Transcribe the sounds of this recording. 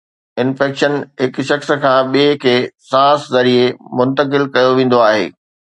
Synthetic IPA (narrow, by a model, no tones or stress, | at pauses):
ɪnfɛːkʃənɦɪkʃɐxs̆kʰãːɓiekʰeːsãːszɐɾiemʊ̃nt̪əkɪlkɐjoʋẽːn̆d̪oaːɦḛː